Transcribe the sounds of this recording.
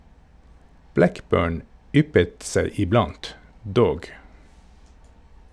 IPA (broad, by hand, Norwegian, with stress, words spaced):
ˈblækˌbøːɳ ˈʏpət ˈseɪ ɪˈblɑnt ˈdoːɡ